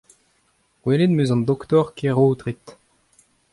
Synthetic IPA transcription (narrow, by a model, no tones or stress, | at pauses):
weled̪møzɑ̃nd̪ɔkt̪ɔʁkʰeʁoːt̪ʁit̪